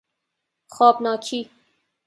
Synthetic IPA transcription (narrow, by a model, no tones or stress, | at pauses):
xɒːbnɒːkʰiː